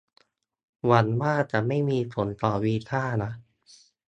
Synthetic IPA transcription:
wa˨˦˥nmaː˥˩t͡ɕa˨˩ʔma˥˩jmiː˧pʰo˨˩˦nt̪ɔː˨˩wi˦˥k̪ʰaː˥˩na˦˥ʔ

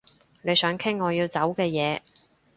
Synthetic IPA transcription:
ne˨˧jsœː˨˥ŋkʰɪ˥ŋːɔː˨˧jiː˧wt͡sɐ˨˥wkɛː˧jɛː˨˧

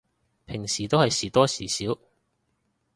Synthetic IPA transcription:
pʰɪ˨˩ŋsiː˨˩t̪o˥whɐ˨jsiː˨˩t̪ɔː˥siː˨˩siː˨˥w

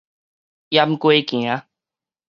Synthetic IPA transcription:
ja˦m̩˦ko˦e˦kĩ˨ã˦

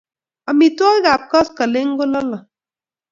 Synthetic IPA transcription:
a˨mi˨twɔ˦ɣa˨p̚kɔ˦skə˨le˦ŋ̩˦ɡo˦lɔ˦lɔ˨

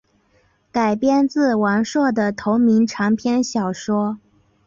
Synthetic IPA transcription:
ka˨˩ɪpjɛ˥˧nt͡sɹ̩˥˩wa˧˥nʂwɔ˥˩d̪ə˩t̪ʰo˧˥ʊmi˧˥ŋʈ͡ʂʰɑ˧˥ŋpʰjɛ˥nɕjɑ˨˩ʊʂwɔ˥

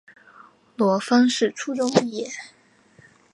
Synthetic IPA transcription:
lwɔ˧˥fɑ˥ŋʂɻ̩˥˩ʈ͡ʂʰu˥ʈ͡ʂʊ˥ŋ˨jɛ˨˩˦

